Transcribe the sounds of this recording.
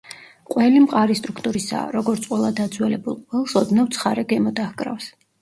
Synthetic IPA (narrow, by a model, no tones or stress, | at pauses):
qʼwɛlimqʼaɾist̪ʼɾukʰt̪ʼuɾisa̰ɾɔɡɔɾt̪sʼqʼwɛlˠad̪ad̪zwɛlɛbulˠqʼwɛlˠsɔd̪navt̪sʰχaɾɛɡɛmɔd̪ahɡʼɾa̰fs